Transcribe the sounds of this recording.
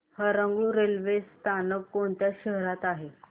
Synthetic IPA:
həɾəŋɡɭuːɾelʋest̪ʰanəkːoɳt̪jaɕəɦɾat̪aɦe

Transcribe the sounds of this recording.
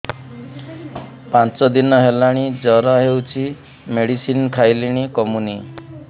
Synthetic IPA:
pãt͡ʃɔd̪inɔɦelaɽ̃id͡ʒɔɾɔɦewt͡ʃʰi | meɽisinkʰajliɽ̃ikɔmuni

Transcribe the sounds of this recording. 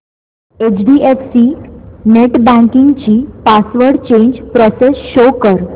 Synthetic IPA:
et͡ɕɖiefsiːneʈbæ̃ŋkiŋɡt͡ɕiːpasʋəɾɖt͡ɕeɲd͡ʑpɾɔsesɕokəɾ

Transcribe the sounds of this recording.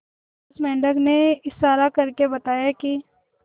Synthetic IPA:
smɛ̃ːɳɖəɡneɪsːaːɾakɐɾkebɐt̪aːjaki

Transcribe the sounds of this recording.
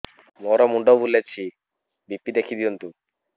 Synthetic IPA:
mɔɾɔmuɳɖɔwbulːet͡ɕʰi | bipːid̪ekʰid̪iunt̪u

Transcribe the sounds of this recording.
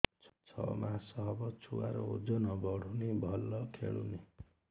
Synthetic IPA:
t͡sʰʌ̰masʌɦbʌt͡sʰuwaɾoo̰d͡zʌnʌbʌɽ̤unibʱʌlːʌkʰḛɭṵni

